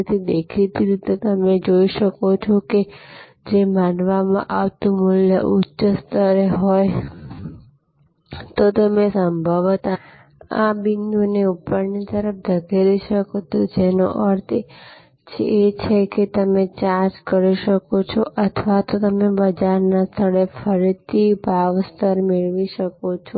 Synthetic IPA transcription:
t̪ʰid̪ekʰit̪iɾit̪et̪əmed͡ʒoiʃəkot͡ʃʰoke | d͡ʒemãnʋamã̰ʔaʋt̪ũmuljə̰ʔutːʃəst̪əɾeɦɔj | t̪ot̪əmesəmbʱəʋt̪a | a̰biŋɡuneupəɾnit̪əɾəfd͡ʒ̪ʱəɡeɾiʃəkot̪ud͡ʒeno̰ʔəɾt̪ʰe | t͡ʃʰeːt͡ʃʰeket̪əmet͡ʃaɾd͡ʒkəɾiʃəkot͡ʃʰoʔət̪ʰʋat̪ot̪əmebəd͡ʒaɾnast̪ʰəɭefʰəɾit̪ʰibʱaʋst̪ʰəɾmeɭʋiʃəkot͡ʃʰo

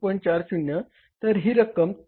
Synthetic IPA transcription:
pəɳt͡ɕaɾɕunjə | t̪əɾɦiːɾəkəm

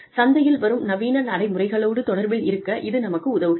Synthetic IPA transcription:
sɐnd̪ɐjɪlʋɐɾɯmnɐʋiːnɐɾnɐɽɐɪmʊrɐɪɣɐɭoːɽɯt̪ɔɽɐɾbɐɪɾɯkːɐʔɪðɯnɐmɐkːɯʊðɐʋɯ

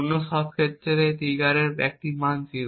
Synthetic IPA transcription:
nːoʃɔb̚kʰet̪ːɾeɾet̪iɡaɾeɾbɛ̰k̚ʈimansi

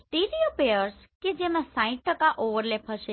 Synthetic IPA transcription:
ʈ̪iɾiopeəɾs | ked͡ʒemãsãĩʈ̪̚ʈəkaʔoʋəɾlepɦəʃe

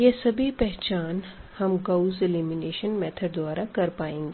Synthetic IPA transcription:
jeːsɐbʱipɛɦt͡ʃaːnhɐmɡɐuzɪlimɪneːʃənmɛːt̪ʰəɖ̚d̪waːɾakɐɾpaːẽːŋɡeː

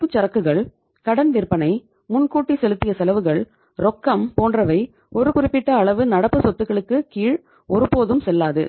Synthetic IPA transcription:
pɯt͡ʃːɐɾɐkːɯɣɐɭ | kɐɽɐnʋɪrpɐnɐɪ | mʊnkuːʈːisɛlɯt̪ːɪjɐsɛlɐʋɯɣɐɭ | ɾɔkːɐmpoːndrɐʋɐɪ | ɔɾɯkʊrɪpːɪʈːɐːɭɐʋɯnɐɽɐpːɯsɔt̪ːɯɣɐɭɯkːɯkiːɻ | ɔɾɯpoːðɯmsɛlːaːðɯ̰

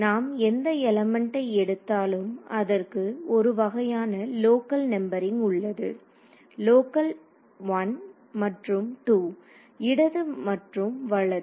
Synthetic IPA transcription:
naːmɛnd̪ɐɛlɐmɛɳʈɐɪɛɽɯt̪ːaːlɯmɐðɐrkɯɔɾɯʋɐɣɐjaːnɐloːkɐlnɛmbɐɾɪŋʊɭːɐðɯ̰ | loːkɐl | ʋɐn | mɐʈrɯmʈuː | ɪɽɐðɯmɐʈrɯmʋɐɭɐ

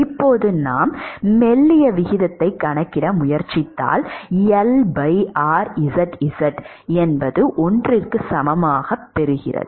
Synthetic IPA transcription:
ɪpːoːðɯnaːmːɛlːɪjɐʋɪɣɪðɐt̪ːɐɪkːɐɳɐkːɪɽɐmʊjɐɾt͡ʃɪt̪ːa̰ːlɛlbɐɪaːɾɪsɐʈɪsɐʈ | ɛnbɐðɯʔɔndrɪrkɯsɐmɐmaːɣɐpːɛɾɯɣɪ̰rɐ̰ðɯ

